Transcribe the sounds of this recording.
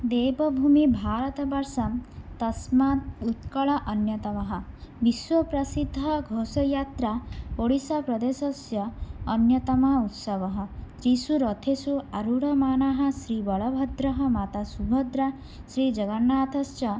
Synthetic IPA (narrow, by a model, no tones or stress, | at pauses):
d̪eːbɔbʱumibʱaːɾɐt̪ɐbɐɾsɐmt̪ɐsmat̪ut̪kɐɭɐʔɐnjɐt̪ɐmɐɦɐbiswɔpɾɐsid̪ʱːɐɡʱoːsɔjaːt̪ɾapoɽisapɾɐd̪eːsɔsjɐːnjɐt̪ɐmɐɦut̪sɐʋɐɦɔt̪ɾisuɾɔt̪ʰesuaɾuɽɐmaːnaːɦɐsɾiːbɔɭɐbʱɐd̪ɾɐɦɐmaːt̪asubʱɔd̪ɾa | sɾiːd͡ʒɐɡɐnːaːt̪ʰɐst͡ʃɐ